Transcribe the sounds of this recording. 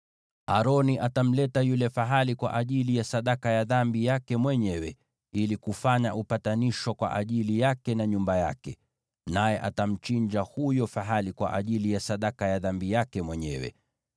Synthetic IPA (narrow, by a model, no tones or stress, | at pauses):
aɾɔniʔatam̩lɛtajulɛfaɦalikwa̰ʔaʄilijasaɗakajaðambijakɛmwɛɲɛwɛ | ilikufaɲaʔupataniʃwakwa̰ʔaʄilijakɛnaɲumbaja̰kɛ | najɛʔatam̩t͡ʃiɲd͡ʒahujɔfaɦalikwa̰ʔaʄilijasaɗakajaðambijakɛmwɛɲɛwɛ̰